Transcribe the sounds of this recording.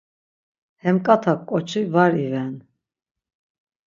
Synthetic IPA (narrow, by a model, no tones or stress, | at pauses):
hɛmkʼat̪ʰakkʼɔt͡ʃʰivaɾivɛn